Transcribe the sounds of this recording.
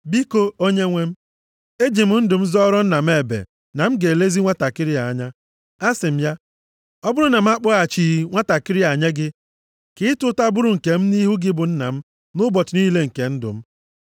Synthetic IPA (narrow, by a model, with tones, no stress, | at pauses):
bi˦ko˦o˦ɲe˦ŋʷe˦m̩˦ | e˦d͡ʒi˨m̩˦n̩˦dʊ˨m̩˦zɔ˦ɾɔ˦n̩˦na˨m̩˦e˨bḛ˨ | na˨m̩˦ɡe˨le˦zi˦ŋʷa˦ta˨kɪ˦ɾɪ˦a˨˦ɲa˦ | a˦sɪ˨m̩˦ja˦ | ɔ˦bʊ˦ɾʊ˦na˨m̩˦a˦k͡pʊ˦a˨t͡ʃi˨ŋʷa˦ta˨kɪ˦ɾɪ˦a˨ɲe˦ɡɪ˦ | kɪ˦ɪ˦tʊ˦ta˦bʊ˦ɾʊ˨ŋ̩˨ke˨m̩˦ni˦ɦu˦ɡɪ˦bʊ˨n̩˦na̰˨m̩˦ | nʊ˦bɔ˨tʊ˨ni˦le˦ŋ̩˨ke˨n̩˦dʊ̰˨m̩˦